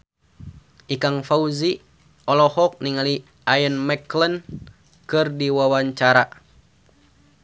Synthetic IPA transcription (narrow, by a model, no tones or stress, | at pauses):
ʔikaŋfauzi | ɔlɔhɔk̚niŋali | ʔajənmɛklən | kɨrdiwawaɲt͡ʃaɾa